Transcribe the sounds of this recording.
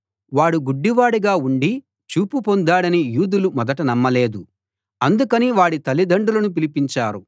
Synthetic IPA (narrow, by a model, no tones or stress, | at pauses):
ʋaːɽuɡuɖːiʋaːɽiɡaːuɳɖi | t͡ʃuːpupond̪aːɽɐnijuːd̪ulumɔd̪ɐʈɐnɐmːɐle̞ːd̪u | ɐnd̪ukɐniʋaːɽit̪ɐlːid̪ɐɳɖulɐnup̬ilipiɲt͡ʃaːɾu